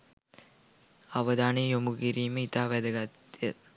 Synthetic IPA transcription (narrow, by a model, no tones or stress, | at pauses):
ɐʋɐd̪aːnejomuɡiɾiːməit̪aːʋæd̪ɐɡɐt̪ːijə